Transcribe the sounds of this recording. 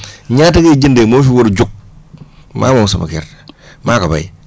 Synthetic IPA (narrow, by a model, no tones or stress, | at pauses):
ɲataked͡ʒindemofiwoɾid͡ʒuk̚ | ma̰ːmosama̰kḛɾ | makaba̰i